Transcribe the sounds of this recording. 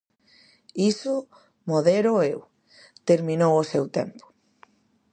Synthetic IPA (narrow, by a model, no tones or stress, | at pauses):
isʊ | moðeɾʊew | t̪eɾmĩnowʊsewt̪ḛmpʊ̥